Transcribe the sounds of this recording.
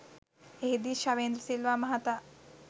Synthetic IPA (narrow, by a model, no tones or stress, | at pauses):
eɦid̪iːʃaʋeːnd̪ɾəsilʋaːmɐɦat̪a